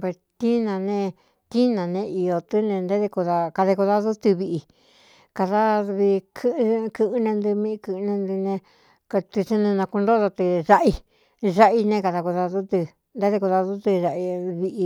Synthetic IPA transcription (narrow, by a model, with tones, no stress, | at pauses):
pe˧st̪i˦nã˧nẽ˧ | t̪i˦nã˨nẽ˧i˧jo˧t̪ɨ˦nẽ˧nd̪e˦ðe˧ku˧ða˧ka˧ðe˧ku˧ða˧ðu˦t̪ɨ˧βi˧ʔi˧ | ka˧ða˦˧βi˧kʰɨ˦˧kɨ˧ʔɨ˧nẽ˧nd̪ɨ˧mĩ˧kɨ˧nẽ˧nd̪ɨ˧nẽ˧ | ka˧t̪ɨ˧t͡ʃe˦nẽ˧nã˧ku˧nd̪o˦ða˧t̪ɨ˧ʒa˧ʔi˧ | ʐa˦ʔi˧nẽ˧ka˧ða˧ku˧ða˧ðu˦t̪ɨ˧ | nd̪e˦ðe˧ku˧ða˧ðu˦t̪ɨ˧ʐa˧ʔi˧βi˧ʔi˧